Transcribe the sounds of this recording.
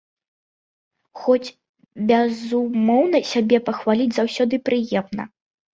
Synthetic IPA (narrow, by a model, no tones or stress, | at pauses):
xɔt͡sʲ | bʲɛzumɔwnɐsʲabʲɛpɐxvalʲid͡zʲzawsʲɔd̪ɨpɾɨjɛmnɐ̰